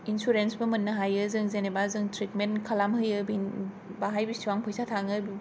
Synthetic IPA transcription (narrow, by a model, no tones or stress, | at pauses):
insuɾensbɐmɐnːɐɦajɯzɯŋzenebazɯŋtɾitmenkʰalamhɯjɯbin | baɦajbisiwaŋpʰɔjsatʰaŋɯbi